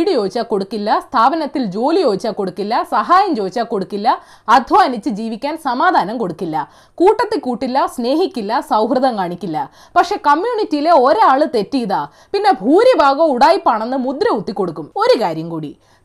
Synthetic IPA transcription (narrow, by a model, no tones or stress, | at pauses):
ɽijoːt͡ɕːaːko̞ɽukːilːɐst̪ʰaːbɐnɐt̪ːild͡ʑo̞ːlijo̞ːit͡ɕːaːko̞ɽukːilːɐsɐɦaːjɐmt͡ɕo̞ːt͡ɕːaːko̞ɽukːilːɐː | d̪ʱʋɐɐnit͡ɕːɨd͡ʑiːʋikʲːaːnsɐmaːd̪ʱaːnɐmko̞ɽukːilːɐ | kuːʈːɐt̪ːikuːʈːilːɐsne̞ːɦikʲːilːɐsɐwɦrɨðɐmkaːɳikʲːilːɐ | pɐkʂe̞ːkɐmjuːɳitːijile̞oɾeaːɭɨt̪e̞tːijɐðaː | pinːe̞bʱuːɾibʱaːɣoːuɽaːjipːaːɳenːɨmud̪ɾɐut̪ːikːo̞ɽukːumo̞ɾukaːɾjɐmkuːɽḭ